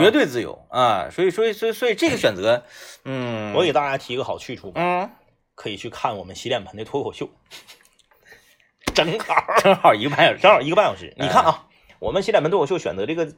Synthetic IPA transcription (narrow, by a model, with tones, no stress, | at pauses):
t͡ɕɥɛ˧˥t̪̬we˥˧ɪt͡sɹ̩˥˩jo̰˧˥˦ʊa˥˧˩swɔ˧˥i˨˩swɔ˧˥i˨˩swɔ˧˥˩swɔ˧˥i˨˩ʈ͡ʂɤ˥˩ɡə˩ɕɥɛ˨˩nt͡sɤ˧˥n̩˥˩wɔ˧˥ke˨˩t̪a˥˧t͡ɕja˥˩t̪ʰi˧˥ɡə˧˩xɑ˨˩ʊt͡ɕʰy˥˧ʈ͡ʂʰu˥˩m˥˩ | kʰɤ˧˥i˨˩t͡ɕʰy˥˧kʰa˥˩nwɔ˨˩mə˦nɕi˧˥ljɛ˥˩npʰə˧˥nt̪ə˧˩t̪ʰɔ˥kʰo˨˩ɕjo˥˩ʊ | ʈ͡ʂə˧˥ŋxa˥˨˩ʈ͡ʂə˧˥ŋxi˧˥ɡə˧pa˥˩ə˨˧˩ʂɤ˧˥ŋə˞˨˩i˧˥ə˧pa˥njə˨˩ʂɻ̩̰˥˩ni˨˧kʰa˥˩nɐ˩ | wɔ̰˨˩mə˦nɕi˥lɛ˥˩pt̪ʰɔ˥˨˩jo˥˩ʊɕɥɛ̰˨˩nt͡sɤ˧˥ʈ͡ʂɤ˥˩ɡə˩